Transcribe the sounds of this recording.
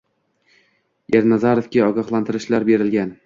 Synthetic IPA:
e̞ɾnazaɾofɡʲaɒɡɒχlˠant̪ʰɪɾɪʃlaɾbe̞ɾɪlɡʲan

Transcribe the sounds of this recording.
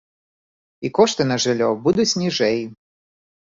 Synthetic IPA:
ikɔʂt̪ɨnɐʐɨlʲɔbud̪usʲnʲiʐɛji

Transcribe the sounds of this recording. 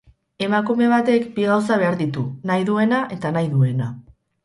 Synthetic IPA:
e̞makume̞βat̪e̞kbiɣ̞aws̬aβ̞e̞aɾðit̪unajðue̞naʔe̞t̪anajðue̞na

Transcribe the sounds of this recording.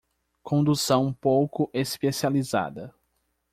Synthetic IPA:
kõnd̪usɐ̃w̃powkʊʔespesializa̰d̪ɐ

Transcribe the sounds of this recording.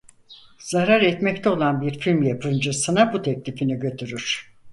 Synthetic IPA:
z̥aɾaɾɛt̪mɛct̪ʰɛo̞lˠanbiɾfilʲmjapʰɯnd͡ʒɯsɯnabut̪ʰɛclʲifiniɟø̞t̪ʰyɾyɾ̥

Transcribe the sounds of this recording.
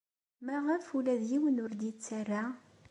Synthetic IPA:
mæʁəfulæðjiwənʊɾd̪it͡sːærːa

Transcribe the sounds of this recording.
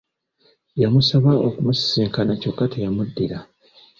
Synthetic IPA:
jamusaβaokumusi̥siːŋkanaco̞kːatejamudːiɾa

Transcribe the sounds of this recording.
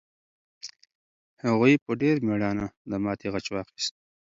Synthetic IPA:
haɣujipəɖeɾmeɽɑːnad̪əmɑːt̪ʰeɣat͡ʃwɑːxi̥st̪̚

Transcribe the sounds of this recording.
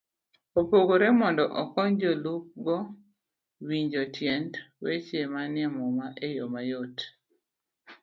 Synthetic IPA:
opoɡoɾemɔndɔʔɔkɔɲd͡ʒoluk̚ɡɔ | wiɲd͡ʒɔtʰjɛnd | wet͡ʃemanjamɔmaʔejomajot

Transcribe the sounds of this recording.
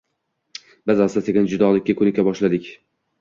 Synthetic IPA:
bɪzast̪aseɡʲand͡ʒʊd̪ɒlˠɪkʲːakʰɵnɪkʲʰabɒʃlad̪ɪkʲ

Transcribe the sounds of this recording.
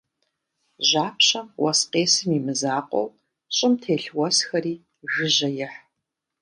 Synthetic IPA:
ʒaːpʰɕɐmwʔɐsqeːsɨmiːmɨzaːqʷʼɔ̰w | ɕʼɪmtʰeːɬwɐsxɐriː | ʒʷʊʒɐjɪħ

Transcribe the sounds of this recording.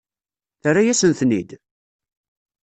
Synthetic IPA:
θərːajæsənθnḭd̪

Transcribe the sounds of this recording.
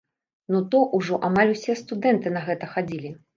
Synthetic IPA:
nut̪ɔʔuʐɔʔamalʲwsʲɛst̪ud̪ɛnt̪ɨnɐɣɛt̪ɐxad͡zʲilʲi

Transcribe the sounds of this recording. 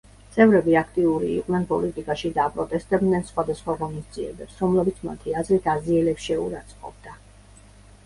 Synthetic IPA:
t̪sʼɛvɾɛbiakʰt̪ʼiuɾḭːqʼnɛnpʼɔlit̪ʼikʼaʃid̪aːpʼɾɔt̪ʼɛst̪ʼɛbnɛnsχwad̪asχwaʁɔnisd̪ziɛbɛpsɾɔmlɛbit̪sʰma̰t̪ʰiazɾit̪ʰaziɛlɛpsʃɛṵɾat̪sʼqʼɔ̰b̚d̪a

